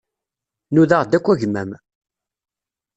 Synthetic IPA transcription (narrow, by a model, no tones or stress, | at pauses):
nuðaʁd̪ækʷːæʝmæm